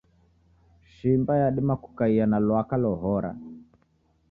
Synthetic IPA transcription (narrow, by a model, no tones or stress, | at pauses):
ʃimbajaɗimaku̥kaianalwakalɔɦɔɾa̰